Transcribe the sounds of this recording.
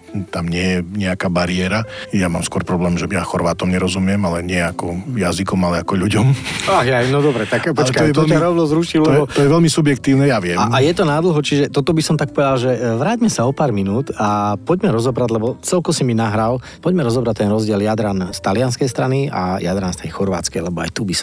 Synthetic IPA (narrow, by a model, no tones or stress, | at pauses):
t̪amɲɪɛjɛɲɛakaːbaɾɪɛɾajama̰ːmskʊɔɾpɾɔblɛːmʒɛjaxɔɾʋaːt̪ɔmɲɛɾɔzumɪɛmalɛɲɪɛakɔjazikɔmalɛakɔʎuɟɔmaɦjajnɔd̪ɔbɾɛt̪akpɔlt͡ʃkat̪ɔɛjɛt̪ɔaɾɔʊnɔzɾuʃilɛbɛɔt̪ɔjɛʋɛʎmisubjɛk̚t̪iːʊnɛjaʋɪɛmajɛt̪ɔnad̪l̩ˠɦut͡ʃiʒɛt̪ɔt̪ɔbisɔmt̪ak̚pɔʋɛd̪alʒɛʋɾaːɟmɛsaɔpaːɾminuːt̪apɔɟmɛɾɔzɔbɾaɟlɛbɔt͡sɛlkɔsiminaɦɾal | pɔɟmɛɾɔzɔbɾac̚t̪ɛnɾɔzɟɪɛljad̪ɾanst̪alɪanskɛjst̪ɾania̰jad̪ɾanst̪ɛjxɔɾʋa̰ːt͡skɛjlɛbɔa̰jt̪ubis